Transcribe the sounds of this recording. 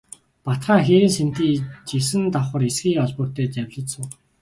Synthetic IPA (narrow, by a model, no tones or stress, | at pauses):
pat̪χaːxeɾiːnsen̥t̪iːt͡ɕisɘ̆nt̪aχə̆ɾesɡiːŋɔɮpʊːrʰt̪eːt͡ɕæwʲɮə̆sə̆ŋ